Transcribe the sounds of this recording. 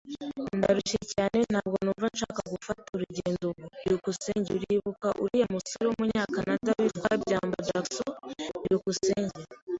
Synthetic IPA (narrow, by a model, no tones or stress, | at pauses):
nda̰ɾuʃecaːne̞n̥haːbɡo̞nuːɱvanʃaːkaɡufatuɾuɟeːndoiɾukuseːɲɟuɾiβukaʔṵɾijamusoɾeomuɲaːkanadawitkwabɟaːmbad͡ʒaksoiɾukuseːɲɟe